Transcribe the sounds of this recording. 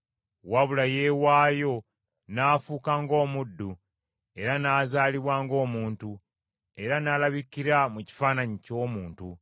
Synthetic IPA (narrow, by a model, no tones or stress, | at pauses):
waβulaje̞ːwaːjo̞ | naːfuːkaːŋɡo̞ːmudːu | e̞ɾanaːzaːliβwaːŋɡo̞ːmuːntu | e̞ɾanaːlaβikiɾamuci̥faːnaɲico̞ːmuːntu